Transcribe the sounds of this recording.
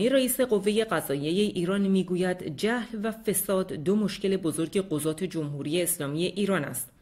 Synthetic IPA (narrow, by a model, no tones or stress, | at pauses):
iɾæiːse̞ɢo̞vːe̞je̞ɢæzɒːje̞jeʔiːɾɒːnmiːɡuːjæd̪d͡ʒæhlvæfe̞sɒːd̪d̪ːomo̞ʃce̞le̞bo̞zo̞ɾɟe̞ɢo̞zɒːt̪ʰe̞d͡ʒo̞mhuːɾijeːslɒːmije̞ʔiːɾɒːnæ̰st̪